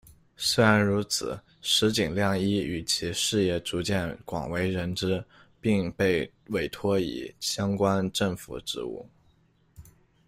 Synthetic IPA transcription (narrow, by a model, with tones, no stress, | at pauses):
swe˥ɪɻa˧˥nɻu˧˥t͡sʰɹ̩̰˨˩˦ | ʂɻ̩˧˥t͡ɕi˨˩ŋljɑ˥˧ŋi˥y˨˩t͡ɕʰi˧˥ʂɻ̩˥˧jɛ˥˩ʈ͡ʂu˧˥t͡ɕjɛ˥˩nkwɑ̰˨˩ŋwe˧˥ɪɻə˧˥nʈ͡ʂɻ̩˥ | pi˥˧ŋpe˥˩ɪ | we˧˩ɪt̪ʰwɔ˥ḭ˨˩ɕjɑ˥ŋkwa˥nʈ͡ʂɤ˥˩ŋfṵ˨˩ʈ͡ʂɻ̩˥˧ṵ˥˩